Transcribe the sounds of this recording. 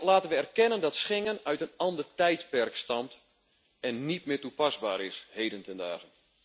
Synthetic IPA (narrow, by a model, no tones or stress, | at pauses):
laːtənʋəɛrkɛnəndɔtsχɪŋənœɥtənɑndərtɛjtpɛrkstɑmt | ɛnːit̚mɪːtupɑzba̰ːɾɪshejdəntənda̰ːɣən